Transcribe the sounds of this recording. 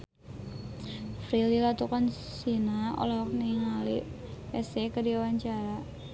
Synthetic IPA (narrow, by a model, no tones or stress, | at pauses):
fɾililat̪ukan | sinao̰laɦɔk̚niŋali | pɛsekədiawaɲt͡ʃaɾa